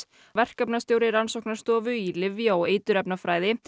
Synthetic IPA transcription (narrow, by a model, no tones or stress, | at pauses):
vɛr̥kapnast̪joːwɾɪɾansɔwknaɾ̥st̪ɔːvʏilɪvjaɔeːjt̪ʏɾɛpnafɾaːjðɪ